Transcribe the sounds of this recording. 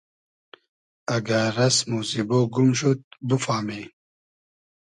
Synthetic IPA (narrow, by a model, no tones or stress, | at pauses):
ɐɡaɾɐsmusiboːɡumɕut̪̚bəfaːmeː